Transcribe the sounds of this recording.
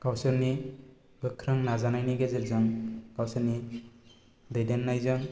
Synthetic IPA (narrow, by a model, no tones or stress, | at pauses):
kawsɯɾni | bɯkʰɾɯŋnazanajniɡezɯɾzɯŋkawsɯɾni | dejdenːajzɯŋ